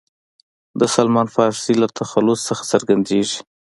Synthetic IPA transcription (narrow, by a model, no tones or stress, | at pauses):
d̪əsalmɑnfɑɾsilat̪ʰaxalʊssəxḁsəɾɡand̪eʒi̥